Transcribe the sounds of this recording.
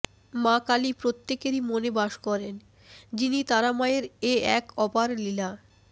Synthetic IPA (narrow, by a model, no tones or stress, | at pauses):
makalipɾot̪ːekeɾimonebaʃkɔɾen | d͡ʑinit̪aɾamaeɾeɛkɔbaɾlila